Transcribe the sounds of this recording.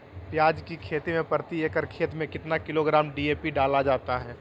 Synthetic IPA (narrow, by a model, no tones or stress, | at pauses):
pjaːd͡ʒkikʰeːt̪imẽpəɾt̪ieːkəɾkʰeːt̪mẽkɪt̪nakɪloɡɾaːmɖiːeːpiɖaːlad͡ʒaːt̪aɦɛː